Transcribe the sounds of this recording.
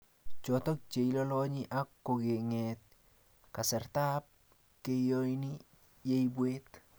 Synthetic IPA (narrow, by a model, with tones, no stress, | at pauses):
t͡ʃɔ˨tɔ˦k̚t͡ʃe˨i˦lɔ˦lɔ˦ɲi˦ʔa˦kːo˨ɡe˨ŋe˨t̚ | ka˨sɛ˨rta˦p̚ | ke˦jo˦jni˦ | je˦ibweː˦t